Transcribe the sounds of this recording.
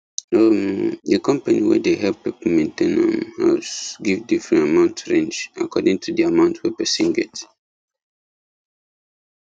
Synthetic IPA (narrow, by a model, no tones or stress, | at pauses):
omdəkɔ̃mpaniwɛ̰deɦɛlppːɛpəmẽntẽnə̰̃mhɛ̰sɡivdifɹɛ̃ntamãʊ̃ntɹẽnd͡ʒa̰kʰɔdĩŋtʰudiamãʊ̃ntwɛpɛsĩnɡɛ̰t